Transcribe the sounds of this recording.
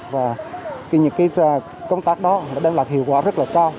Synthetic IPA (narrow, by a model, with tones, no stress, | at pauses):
vaː˨˩t̪i˨˩ɲɨ̰˧˥ŋkaː˨˦j | kə˧wŋ͡mt̪aː˦˥k̚ɗɔ˨˦laː˨˩ɗaː˧nlaː˨˩k̚hḭ˧˨əwkwa̰ː˧˥˦zə˦˥laː˨˩kaː˧w